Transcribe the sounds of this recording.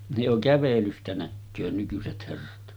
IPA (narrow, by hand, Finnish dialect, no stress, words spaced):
ne jo kæʋelystæ nækːøː nykyset herːɑt